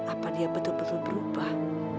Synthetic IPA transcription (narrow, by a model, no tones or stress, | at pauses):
apadiabət̪ʊlbət̪ʊlbəɾubah